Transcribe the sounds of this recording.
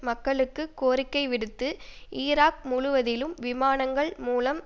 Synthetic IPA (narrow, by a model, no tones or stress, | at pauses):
mɐkːɐɭɯkːɯkːoːɾɪkːɐɪʋɪɽɯt̪ːɯʔiːɾaːk̚mʊɻʊʋɐðɪlɯmʋɪmaːnɐŋɡɐɭmuːlɐm